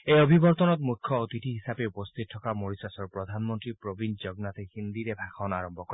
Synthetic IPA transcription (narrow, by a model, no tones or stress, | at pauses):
ejɔbʱibɔɾt̪ɔnɔt̪mukʰjɔːt̪iʈʰiɦisapeupɔst̪ʰit̪̚tʰːɔkamoɹisasɔɾpɾɔd̪ʱanmɔnt̪ɾipɾobind͡ʒɔɡnat̪ʰehind̪iɾebʱakʰɔnaɾɔmbʱɔkɔɾ